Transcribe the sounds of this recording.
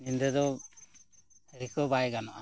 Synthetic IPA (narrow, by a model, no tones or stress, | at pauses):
ind̪ɛd̪ɔ | ɾikɔbajɡanaʔa